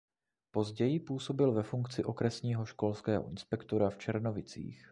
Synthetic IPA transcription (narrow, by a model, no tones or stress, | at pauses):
po̞zɟɛjɪpuːso̞bɪlvɛfuŋkt͡sɪʔo̞kɾɛsɲiːɦo̞ʃko̞lskɛːɦoʔɪnspɛkt̪o̞ɾaft͡ʃɛɾno̞vɪt͡sḭːx